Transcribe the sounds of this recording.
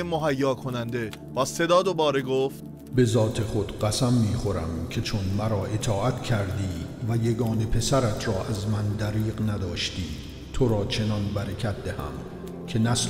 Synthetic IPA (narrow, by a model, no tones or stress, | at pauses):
emoɦæjːɒːkʰo̞nænd̪e̞ | b̥ɒːse̞d̪ɒːd̪o̞bɒːɾeɡoːft̪ | be̞zɒːt̪ʰe̞χo̞d̪ɢæsæmːiːχo̞ɾæ̰mcʲʰe̞t͡ʃʰonmæɾɒːʔe̞t̪ʰɒːʔæt̪cʰæɾd̪iːvæje̞ɡɒːne̞pʰe̞sæɾæt̪ʰɾɒːʔæzmænd̪æɾiːɢnæd̪ɒːʃt̪iː | t̪ʰoɾɒːt͡ʃʰe̞nɒnbæɾekʲʰæt̪̚d̪ehæ̰m | cʰe̞næs